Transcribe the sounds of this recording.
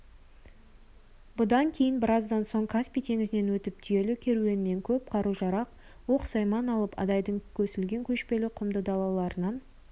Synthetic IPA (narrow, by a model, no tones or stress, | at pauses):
bʊd̪ɑŋkʲʰe̞jɪnbɪɾɑzd̪ɑnso̞ɴkʰaspʲijt̪ʰe̞ŋɪzɪne̞nwɵt̪ɪp̚t̪ʰʏje̞lɪkʲʰe̞ɾue̞nɪne̞ŋkʲʰɵp̚qʰɑɾuʒɑɾɑq | wo̞qsɑjmɑnɑlˠəpɑ̰d̪ɑjd̪əɴkʲʰɵsɪlɡʲe̞ŋkʲʰɵʃpe̞lɪqʰʊmd̪əd̪ɑlˠɑlˠɑɾənɑn